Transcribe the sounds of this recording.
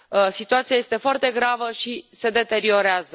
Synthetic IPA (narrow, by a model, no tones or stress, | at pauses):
əsit̪uat̪sijaje̞st̪e̞foart̪e̞ɡɾavəʃise̞d̪e̞t̪e̞ɾio̞ɾeazə